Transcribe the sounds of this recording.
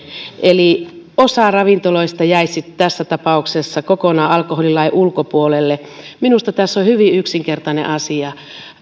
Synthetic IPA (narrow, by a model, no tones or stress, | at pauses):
ʔeliosɑrɑʋint̪oloist̪ɑjæissit̪t̪æsːæt̪ɑpɑuksesːɑkokonɑːɑlkoholilɑiʔulkopuolelːeminust̪ɑt̪æsːohyʋiyksiŋkert̪ɑnḛʔɑsiɑ